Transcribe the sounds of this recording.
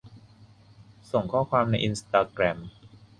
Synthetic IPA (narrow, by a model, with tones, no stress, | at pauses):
so˨˩ŋkʰɔː˥˩kʰwaː˧mna˧jʔi˧nst̪aː˧kɾɛ˧m